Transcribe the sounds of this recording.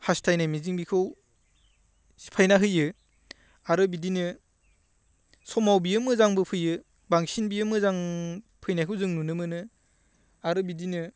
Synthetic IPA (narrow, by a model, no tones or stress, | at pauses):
hastʰajnajmiziŋbikʰɯw | pʰajnaɦɯjɯ | aɾɯbidinɯ | sɔmawbijɯmɯzaŋbɯpʰɯjɯ | baŋsinbijɯmɯzaŋ | pʰɯjnajkʰɯwzɯŋnunɯmɯnɯ | aɾɯbidinɯ